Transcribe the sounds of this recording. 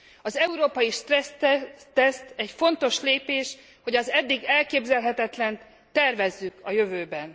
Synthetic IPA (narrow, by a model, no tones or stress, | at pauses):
ɒzɛuɾoːpɒjiʃt̪ɛst̪ɛst̪ɛcfo̞nt̪o̞ʃleːpeːʃ | ho̞ɟɒzɛd̪ːiɡɛlkeːbzɛlɦɛt̪ɛt̪lɛn | t̪ɛrvɛzːykɒjø̞vøːbɛn